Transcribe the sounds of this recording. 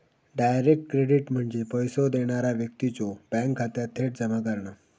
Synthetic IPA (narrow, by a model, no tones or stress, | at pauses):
ɖajɾek̚ʈ̚kɾeɽiʈm̤əɳd͡zepəjsod̪eɽ̃aɾaʋjək̚t̪it͡sobɛ̃ŋkʰːat̪jat̪ʰeʈ̚d͡zəmak̬əɾɳə